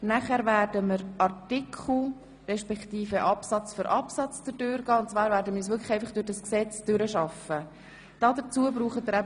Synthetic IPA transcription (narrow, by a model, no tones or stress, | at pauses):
næχæɾvæːɾdəməɾɑrtɪkʰχl̩ | ɾɛʃpɛktiːfəʔɑpsɑt͡sfɔɾʔɑpsɑt͡st͡səd̥øɾɡ̥ɑːʊntt͡svʋɑːɾvæːɾdəmiːɾs̬ʋʏkʰlə̥χɛɪfɑχd̥ʊɾdɑsksɛt͡sd̥ʏɾəʃɑfə | d̥ɑːdət͡suəbɾuːχətːəɾæ